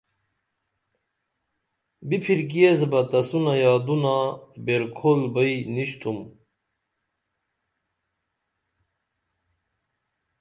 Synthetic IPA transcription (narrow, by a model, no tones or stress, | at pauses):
bipʰiɾk̬iezbɐt̪ɐsunajaːd̪unabeɾkʰolbəjniɕt̪ʰum